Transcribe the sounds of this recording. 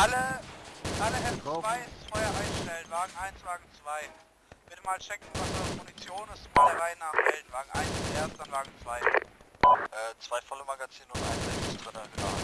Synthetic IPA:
ʔalə | ʔaləhɛvaɪssfɔɪɐʔaɪnʃtɛlənvaːɡŋ̩ʔaɪnsv̥aːɡŋ̩t͡sv̥aɪ | b̥ɪtəmaːlt͡ʃɛkŋ̩vasmunit͡sjoːnɪstmaldeːɐʁaɪənaːʁhɛldn̩vaːɡŋ̩ʔa̰ɪnsʔeɐst̚d̥anvaːɡŋ̩t͡sv̥aɪ | ʔɛːt͡sv̥aɪfɔlomaɡat͡siːnʊntʔa̰ɪnzɛɪstʁɛnahna̰ː

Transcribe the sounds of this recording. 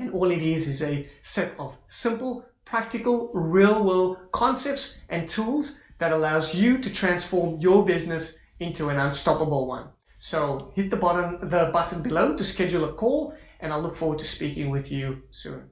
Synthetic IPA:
ɨ̃nɔlˠiðizɪzɨsɛɾʌv̥sɪ̃mpl̩ˠpʰɹ̥æk̚tɨkəl̩ˠɹilˠwɪlˠkʰɑ̃nsɛp̚tsʔɨ̃ntʰulˠzðɨɾəlaʊzjɨɾɨtʰɹ̥æ̃nsfɔɹmjə˞bɪznɨs | ɪ̃ntʰuɨ̃nə̃nstɑpəbl̩ˠwʌ̰̃n | soʊhɪt̪̚ðəbɾðəbʌʔn̩bɨlõʊtɨskɛd͡ʒul̩ˠəkʰɔlˠʔɨ̃naɪlʊkfɔɹwəd̚tʰɨ̥spikɪ̃ŋwɪðjʉsʉ̰̃n

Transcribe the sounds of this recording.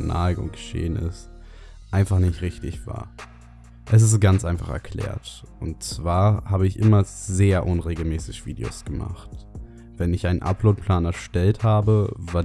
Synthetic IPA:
na̰ɡʊ̰ŋɡ̥əʃḛːənɪ̰st | ʔaɪnfaχnɪçtʁɪçtɪçv̥a̰ːɐ | ʔɛs̬ɪs̬ɡ̥ant͡sʔaɪnfaχɛ̰ɐkʰl̥ɛ̰ːɐtʔʊntt͡sv̥aːɐhaːbəɪçʔɪmɐzeːɐʔʊnʁeːɡl̩mɛːsɪçv̥iːdḛo̰sɡ̥əma̰χt | v̥ɛnɪçʔaɪnənʔa̰ploːt̚pʰl̥aːnɛɐʃtɛlthaːbəvaː

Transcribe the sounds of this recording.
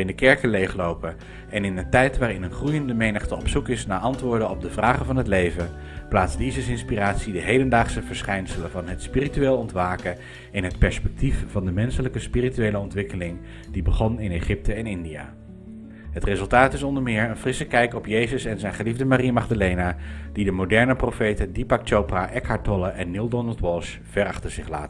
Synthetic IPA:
ɪndəkɛɹkənlejχlowpə | ɛnɪnəntɛjtʋaːɾɪnənχrujəndəmejnəχtəɔpsukɪsnaːɹʔɑntʋʊːɹdənɔb̚dəvraːχənvɑnɦətlejvə | plaːtzdizəsɪnspiraːtsidəɦejdəndaːχsəvəɹsχɛjnsələvɑnɦətspirityeːlˠɔntʋaːkə | ɪnɦətpɛɹspɛk̚tiffɑndəmɛnsələkəspirityejləɔntʋɪkəlɪŋ | d̥ibəχɔnɪneχɪp̚tʰəɛnɪndija̰ː | ɦətrezɵlˠtaːtɪsɔndəɹmɪːɹənfrɪsəkɛjkɔpjejzəsɛnzɛjnχəlivdəmariamɑχdalejnad̥idəmodɛɹnəprofejtədipak̚t͡ʃowpraʔɛkhaɹtɔləʔɛnːilˠdɔnəlˠtwɔʃ | fɛrɑχtəɹz̥ɪχla̰ːt

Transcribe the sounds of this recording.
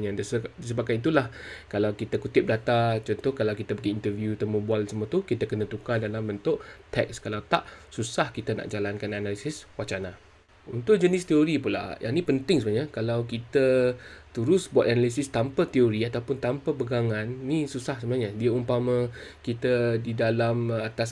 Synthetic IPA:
ɲãdsədisəbakait̪ulahkalawkit̪akut̪ɪp̚dat̪at͡ʃɔnt̪ʊhkalawkit̪abəɡiːnt̪əvjut̪əmubualsəmuət̪ukit̪akənə̃t̪ukadalambənt̪ʊʔt̪ɛ̰kskalawt̪a̰ʔsusahkit̪ana̰ʔd͡ʒalankananalisɪswat͡ʃana | unt̪ʊʔd͡ʒənɪst̪ioɾipula̰jʔa̰ŋnĩpənt̪ɪŋsəbəaɲakalawkit̪ət̪uɾʊsbuwat̪̚analis̬ɪst̪ampat̪ioɾiat̪awpʊnt̪ampapəɡaŋãnːisusahsəmənaɲədiaumpamə̃kit̪ədidalamat̪as

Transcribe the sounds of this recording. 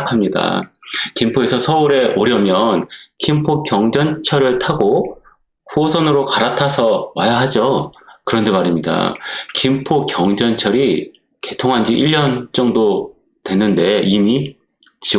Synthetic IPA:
kʰamɲida̰kimpʰoe̞sʰʌsʰʌuɾe̞ʔoɾjʌmjʌnkʰimpʰokjʌŋd͡ʑʌnt͡ɕʰʌɾɯɭtʰaɡo | kuosʰʌnɯɾokaɾatʰasʰʌwajaɦad͡ʑokɯɾʌndemaɾimɲida̰kimpʰokjʌŋd͡ʑʌnt͡ɕʰʌɾi | ke̞tʰoŋɦand͡ʑiʔiʎːʌnt͡ɕ͈ʌŋdo | twe̞nːɯnde̞imi | t͡ɕi

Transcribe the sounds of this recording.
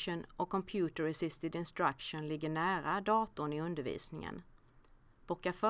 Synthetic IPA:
ʊnʔɔkʰːɔmpʰjʉːt̪əɾɛsɪst̪ɪd̪ɪnst̪ɾakʂʊnlɪɡːəɳæːɾad̪ɑːt̪ʊnɪɵnd̪əɾvḭːsnɪŋə̰n | b̥ɔkːafœ

